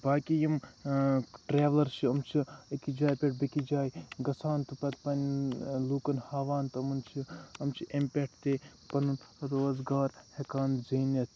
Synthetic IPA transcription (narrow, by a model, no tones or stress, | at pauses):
baːkijim | ʈɾeːʋlɐɾt͡ʃʰiɐmt͡ʃʰikid͡ʒaːjpʲeʈ̚bɐkid͡ʒaːjɡɐsʰaːnt̪upɐt̪pɐnluːkɐnhaːʋaːnt̪ɨɐmɐnt͡ʃʰiɐmt͡ʃʰiʔempʲeʈʰt̪eːpɐnunɾoːzɡaːɾhekaːnzeːnɐt̪ʰ